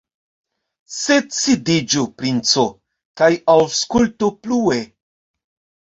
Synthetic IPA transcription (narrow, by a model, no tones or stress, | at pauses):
set͡sidid͡ʒupɾint͡so | kajawskultuplue